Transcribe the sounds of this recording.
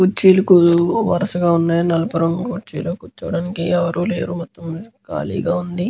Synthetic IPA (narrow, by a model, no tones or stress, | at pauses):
kut͡ʃːiːlɐkuʋɐ̰ɾɐsɐɡaːunːaːjnɐlɐpɐɾɐmkut͡ʃiːloːkut͡ʃːɐʋɐɽaːnikiɛʋɐɾuːlḛːɾumɔt̪ːɐmka̰ːlḭːɡaːund̪i